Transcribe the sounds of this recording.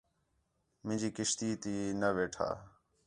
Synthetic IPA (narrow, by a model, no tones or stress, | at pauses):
mɪ̃d͡ʒiːkɪʃt̪iːt̪iːnəʋeːʈʰa̰ː